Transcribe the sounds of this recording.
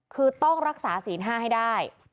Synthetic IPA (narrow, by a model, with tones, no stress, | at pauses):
kʰɯː˧t̪ɔ˥˩ŋɾa˦˥k̚saː˩˦siː˩˦nɦaː˥˩ɦa˥˩jdaː˥˩j